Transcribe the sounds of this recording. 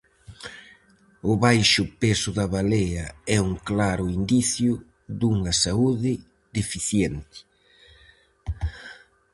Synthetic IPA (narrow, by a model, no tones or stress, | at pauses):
ʊβajʃʊpesʊðɐβaleɐɛuŋklaɾʊind̪iθjʊ | ðuŋɐsauðɪ | ðefiθjɛnt̪ɪ̥